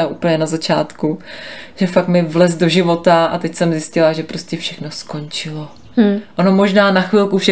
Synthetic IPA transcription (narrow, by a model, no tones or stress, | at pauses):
aʔuːpl̩ɲɛnazat͡ʃaːt̪kuʒ̥ɛfakmɪvlɛzdo̞ʒɪvo̞t̪aʔa̰t̪ɛcsɛmzɪscɪlaʒɛpɾo̞scɛfʃɛxno̞sko̞nt͡ʃɪlo | ʔonomo̞ʒnaːnaxvɪlkufʃɛ